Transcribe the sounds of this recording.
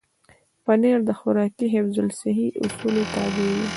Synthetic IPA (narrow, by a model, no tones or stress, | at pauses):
pəneɾd̪əxʊɾɑkiɦefzʊlsɪɦiʔʊ̰sulet̪ɑbewi